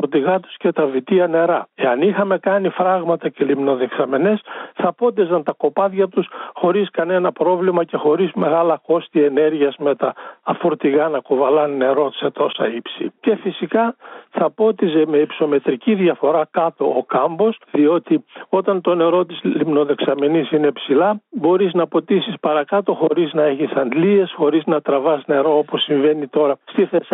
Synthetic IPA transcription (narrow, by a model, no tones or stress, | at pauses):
ɾt̪iɣɐt̪u̥sce̞t̪ɐvit̪iɐne̞ɾɐe̞ɐnixɐme̞kɐnifɾɐɣmɐt̪ɐce̞limno̞ðeksɐme̞nesθɐpo̞t̪̬izɐnt̪ɐko̞pɐðʝɐt̪usxo̞ɾiskɐne̞nɐpɾo̞vlimɐce̞xo̞ɾizme̞ɣɐlɐko̞st̪ie̞neɾʝiɐzme̞t̪ɐfoɾt̪iɣɐnɐkovɐlɐnne̞ɾo̞t̪set̪o̞sɐ̰ipsḭce̞fisikɐθɐpo̞t̪iseme̞ipso̞me̞t̪ɾiciðjɐfo̞ɾɐkɐt̪o̞ːkɐmbo̞sðio̞t̪io̞t̪ɐnt̪o̞ne̞ɾo̞t̪izlimno̞ðe̞ksɐmenisinepsilɐbo̞ɾiznɐpo̞t̪isispɐɾɐkɐt̪o̞xo̞ɾiznɐeçisɐnd̪lie̞sxo̞ɾiznɐt̪ɾɐvɐsne̞ɾo̞oposːiɱve̞nit̪o̞ɾɐst̪iθes